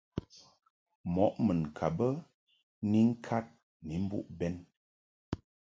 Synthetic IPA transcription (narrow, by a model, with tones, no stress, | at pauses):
mɔ˨˦ʔmə˨n˨kʰa˨bə˦ | ni˦ŋ̩˦kʰa˦t̚ | ni˨˦m̩˦bṵ˦ʔbɛ˦n